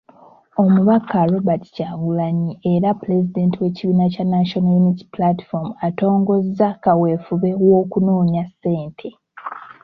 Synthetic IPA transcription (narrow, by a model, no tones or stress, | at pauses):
o̞muβakʰaɾo̞bati̥caɡulaɲieɾapule̞zide̞ːntiwe̞ciβiːnacanaʃonajuniti̥plati̥fomuato̞ːŋɡo̞zːakawe̞ːfuβe̞wo̞ːkuno̞ːɲase̞ːntʰe̞